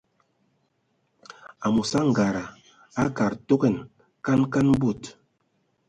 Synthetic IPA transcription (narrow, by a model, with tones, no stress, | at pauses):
a˨mu˨sa˦ŋ˨ɡa˨ɾa˨ | a˦ka˨ɾto˦ɡɛ˨n | ka˦nka˦n˦bu˦˨t